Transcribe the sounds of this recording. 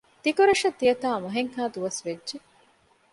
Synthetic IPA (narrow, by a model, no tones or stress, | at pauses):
t̪ikuɾɐʂɐt̪ːijɐt̪aːmɐɦeŋhaːd̪uʋɐsʋedʒe